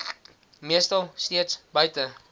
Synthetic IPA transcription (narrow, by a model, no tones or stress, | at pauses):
miəstɐlˠstiətsbəjtə